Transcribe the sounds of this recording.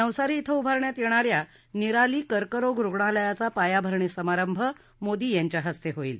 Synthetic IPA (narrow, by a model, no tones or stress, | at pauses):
əwsaɾiːt̪ʰəubʱaɾɳjat̪jeɽ̃aɾja | niɾaliːkəɾkəɾoɡɾuɡɳ̃ãləjat͡sapajabʱəɾɳisəmaɾəmbʱə | mod̪iːjaɲt͡ɕjaɦəst̪eɦoiːl